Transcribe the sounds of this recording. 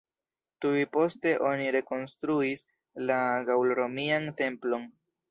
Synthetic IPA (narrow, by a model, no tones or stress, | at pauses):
tujpo̞ste̞ʔo̞niɾe̞ko̞nstɾuis | laɡawlɾo̞miante̞mplo̞n